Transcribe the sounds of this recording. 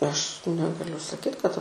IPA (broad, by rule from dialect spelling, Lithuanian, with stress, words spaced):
ˈɐʃ ˈnʲæːɡɐlʲʊ sɐˈkʲiːt kɐt